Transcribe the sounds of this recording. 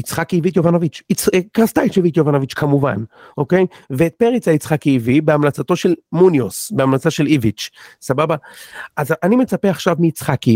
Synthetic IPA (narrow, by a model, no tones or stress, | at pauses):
it͡sχakiivit̪̬jovanovit͡ʃit͡sekast̪ait͡ʃevit̪jovanovit͡ʃkʰamuva̰n | ʔo̞ke̞jveːt̪̚peʁit͡sait͡sχakiːvibeamlat͡sat̪o̞ʃe̞lmunjosbeamlat͡saʃe̞livit͡ʃsababaazanime̞t͡sape̞aχʃavmiːt͡sχaki